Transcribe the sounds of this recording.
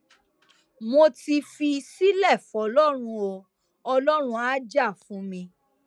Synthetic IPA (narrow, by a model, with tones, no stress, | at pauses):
mo˧ti˧fi˧si˦lɛ˦˨fɔ˨lɔ˦ɾ̃ũ˧o˧ | ɔ˧lɔ˦ɾ̃ũ˧a˦d͡ʒa˦˨fũ˨˦mĩ˧